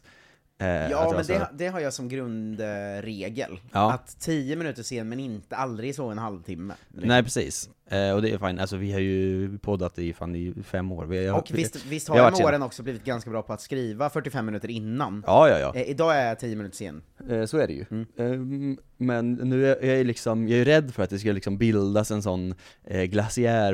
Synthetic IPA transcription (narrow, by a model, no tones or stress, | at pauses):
jɑːmɛnd̪ɛd̪ɛɦaɾjaːsɔmɡɾɵnd̪ɾeːɡə̰lɑːat̪ʰːijəmɪnʉːt̪əʂeːnmɛnɪnt̪əald̪ɾɪɡsɔɛnɦalvt̪ʰɪmːə̰nɛɪpʰɾɛsḭːs | ɔd̪ɛjfaɪnʔalsɔvɪhaɾjɵpʰɔd̪ːat̪ɛɪfa̰ːnɪfɛmːo̰ːɾvɪɔkɪst̪vɪst̪haaɾvaoːɾənɔksɔbliːvɪt̪̚ɡanskabɾɑːpʰɔat̪skɾiːvafœʈːɪfɛmːɪnʉ̟ːt̪əɾɪnːanɑːjɑ̰ːjɑ̰ːʔɪd̪ɑːɛæjt̪ʰiːjːəmɪnʉ̟t̪əʂḛːnsɔæɖɛ̰jɵ̰ | mɛnːʉ̟ːjɑæɾɭɪksɔmjɑɛɾjʉɾɛd̪ːfœɾat̪̚d̪ɛskɵlːlɪksɔmbɪld̪asɛnsɔnːɡlasɪæː